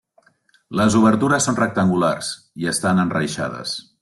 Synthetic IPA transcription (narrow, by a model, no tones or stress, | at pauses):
ləzuβ̞əɾt̪uɾəsːonrək̚t̪əŋɡularz | iəst̪anənrəjʃa̰ð̞ə̰s